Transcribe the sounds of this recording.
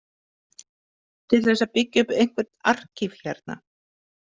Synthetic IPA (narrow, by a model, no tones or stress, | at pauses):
t̪ʰɪlθɛsːapɪcːʏpejŋ̥kvɛɾ̥t̪ar̥cʰɪfl̥aɾt̪na̰